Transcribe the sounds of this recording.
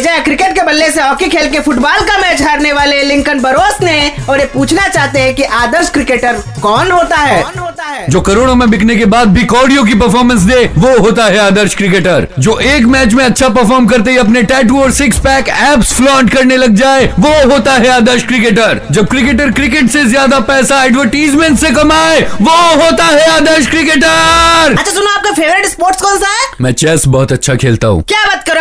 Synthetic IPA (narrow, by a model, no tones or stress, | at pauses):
d͡ʒaːekɾɪkeʈkebɐlːeseɔːkikʰeːlkefʰʊʈbaːlkamɛːt͡ʃɦaːɾneʋaːlelɪ̃ŋkənbɐɾoːsnẽɔːɾjepuːt͡ʃʰnat͡ʃaːɦt̪eɦɛ̃kiʔaːd̪əɾʃkɾɪkeːʈəɾ | kɔːnɦoːt̪aɦɛːnɦoːt̪aɦɛːd͡ʒoːkɐɾoːɽ̃õmẽbɪkʰnekebaːd̪̚bʱikɔːɾɖijõk̬ipɐɾfɔːɾmə̃ns̬d̪eːʋoɦoːt̪aɦɛaːd̪əɾʃkɾɪkeːʈəɾd͡ʒoːʔeːkmɛːt͡ʃmẽɐtːʃʰapɐɾfɔːɾmkɐɾt̪̬eɦiɐpneʈɛːʈ̬uːɔːɾsɪkspɛːkɛːpsflõɳɖkɐɾnelɐɡ̚d͡ʒaːeʋoɦoːt̪aɦɛaːd̪əɾʃkɾɪkeːʈəɾd͡ʒɐb̚kɾɪk̬eːʈ̬əɾkɾɪk̬eʈsezjaːd̪apɛːsaɛːɖʋəɾʈiːzmẽɳʈsekɐmaːeʋoɦoːt̪aɦɛaːd̪əɾʃkɾɪk̬eʈəɾɐːt͡ʃʰasʊnaaːp̚kafeːʋəɾɪʈspoːɾʈskɔːnsaɦɛmɛ̃ːt͡ʃɛːsbɔːt̪ɐtːʃʰakʰeːlt̪a̰ɦṵ̃ːkʲjaːbɐt̪̚kɐɾ